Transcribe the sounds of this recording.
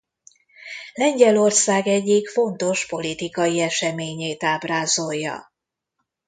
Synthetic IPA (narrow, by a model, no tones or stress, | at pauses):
lɛɲɟɛlo̞rsaːɡɛɟːikfo̞nt̪o̞ʃpo̞lit̪ikɒjiɛʃɛmeːɲeːt̪aːbraːzo̞jːɒ̰